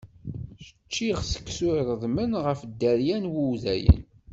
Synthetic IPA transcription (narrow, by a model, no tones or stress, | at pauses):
ʃə̥t͡ʃːiʁsə̥kːsʊɾɾˤəðˤmənʁəfd̪ːæɾjænwuwðæ̰jə̰n